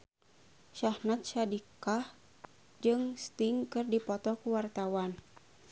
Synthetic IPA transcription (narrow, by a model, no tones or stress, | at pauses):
ʃahnat̪̚ʃadikah | d͡ʒɨŋst̪iŋkɨrdipɔt̪ɔkuwart̪awan